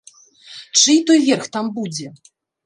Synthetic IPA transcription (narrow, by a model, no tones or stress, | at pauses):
t͡ʂɨt̪ɔjvʲɛrxt̪ambud͡zʲɛ